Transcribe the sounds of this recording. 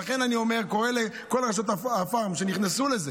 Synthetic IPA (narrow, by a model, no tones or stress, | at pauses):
aχe̞nanio̞me̞ʁko̞ʁele | ko̞lʁaʃ̬ot̪aafaʁmʃeniχnesuleze